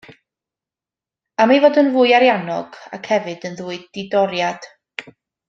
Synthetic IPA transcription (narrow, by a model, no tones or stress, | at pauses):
amajvoːdənvuːjaɾjanɔɡ̥a̰kʰhɛvɨdənðuːɨddɪdɔɾjad̥